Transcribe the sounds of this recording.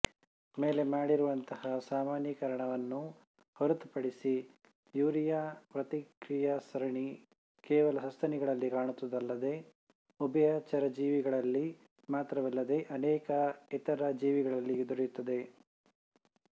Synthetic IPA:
meːle̞maːɽiɾuʋɐnt̪ɐhɐsaːmaːnjikɐɾɐɳɐʋɐnːu | hoɾut̪upɐɽisi | juːɾijapɾɐt̪ikɾijɐsɐɾɐɳi | kɛːʋɐlɐsɐst̪ʰɐniɡɐɭɐlːikaːɳut̪ːɐd̪ɐlːɐd̪e̞ | ubɐjaːt͡ʃɐɾɐd͡ʒiːʋiɡɐɭɐlːi | maːt̪ɾɐʋɐlːɐd̪e̞ʔɐnɛːkɐɛt̪ɐɾɐd͡ʒiːʋiɡɐɭɐlːid̪uɾɐjut̪ːɐd̪e̞

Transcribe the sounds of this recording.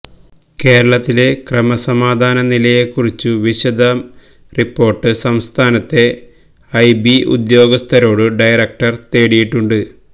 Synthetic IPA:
ke̞ːɾɐɭɐt̪ːile̞krɐmɐsɐmaːd̪ʱaːnɐnilɐje̞kːurit͡ɕːuʋiɕɐd̪ʱɐm | ripːo̞ːrʈːɨsɐmst̪ʰaːnɐt̪ːe̞ | ɐjbiṵd̪jo̞ːɡɐst̪ʰɐɾo̞ːɽɨɖɐjɐrɐk̚ʈɐrt̪e̞ːɽijiʈːuɳɖɨ

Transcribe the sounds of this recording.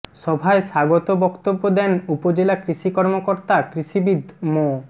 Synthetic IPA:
ʃɔbʱaeʃaɡot̪obɔkt̪obːod̪ɛnupod͡ʑelakɾiʃikɔɾmokoɾt̪akɾiʃibid̪ʱmo

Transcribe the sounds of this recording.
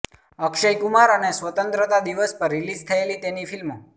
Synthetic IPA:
əkʃəjkumaɾənesʋət̪ənt̪ɾət̪ad̪iʋəspəɾːilid͡ʒt̪ʰəelit̪enifilmo

